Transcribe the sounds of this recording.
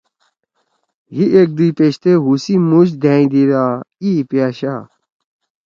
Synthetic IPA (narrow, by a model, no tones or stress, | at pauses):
ɦiʔek̚d̪upeɕt̪eɦusimuɕ̬d̪ãːĩd̪iɾaːiːpjaːɕa